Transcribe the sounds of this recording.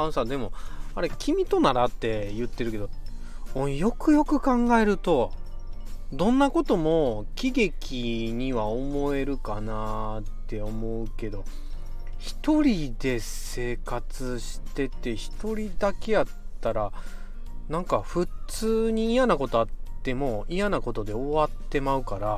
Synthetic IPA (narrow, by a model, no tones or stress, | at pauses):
ãsad̪e̞mo̞aɾe̞kʲimʲit̪o̞naɾat̪ːe̞jɯ̟t̪ːe̞ɾɯ̟ke̞d̪o | õjo̞kɯ̟jo̞kɯ̟kãŋɡae̞ɾɯ̟t̪o̞ | d̪õ̞nːako̞t̪o̞mo̞kʲiɡe̞kʲiɲ̟iβao̞mo̞e̞ɾɯ̟kanat̪ːe̞o̞mo̞ɯ̟ke̞d̪o̞ | çi̥t̪o̞ɾʲid̪e̞se̞ːkat͡sɨɕi̥t̪e̞t̪e̞çi̥t̪o̞ɾʲid̪ake̞jat̪ːaɾa | nãŋkaɸɯ̟t͡sɨːɲ̟iːjanako̞t̪o̞at̪ːe̞mo̞ijanako̞t̪o̞d̪e̞o̞βat̪ːe̞maɯ̟kaɾa